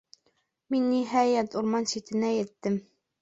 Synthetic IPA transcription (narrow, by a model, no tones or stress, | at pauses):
minːiɦæjæt̪uɾmɑnsit̪ɘ̆næjɘ̆t̪ːɘm